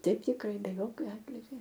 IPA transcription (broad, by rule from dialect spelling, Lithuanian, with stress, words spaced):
ˈtʲɛɪp tʲɪkˈrɐɪ bʲɛ ˈjoːkʲoː ˈɑːtʲlʲɪɡʲoː